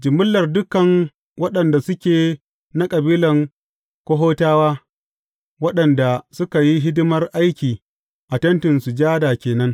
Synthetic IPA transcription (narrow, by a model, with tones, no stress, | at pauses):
d͡ʒɪ˨mʊ˦lːɐ˨rdʊ˦kɐ˨ŋ | wɐ˦ɗɐ˨nda˨sʊ˦kʲeː˨ | na˦kʼɐ˨biː˦lɐ˨ŋ | kʷo˦ɦoː˦taː˦waː˦ | wɐ˦ɗɐ˨nda˨sʊ˦ka˨ji˦ɦɪ˦dɪ˦mɐ˦rʔa˦jkʲiː˨ | ʔa˨tɐ˦ntɪ˨nsu˨d͡ʒaː˦daː˨kʲeː˨nɐ˦ŋ